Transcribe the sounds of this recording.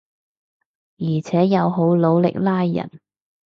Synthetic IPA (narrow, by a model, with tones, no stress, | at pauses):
jiː˨˩t͡sʰɛː˨˥jɐ˨˧wɦo˨˥wlo˨˧wlɪ̰˨k̚laː˥jːɐ̰˨˩n